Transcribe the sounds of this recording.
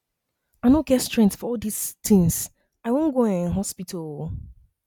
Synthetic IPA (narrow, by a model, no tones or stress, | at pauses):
aɪnõɡ̥ɛtstɹɛ̃ŋktsfɔɔldistɪ̃ŋs | aɪwõnɡõñɦɔspitʰəlˠ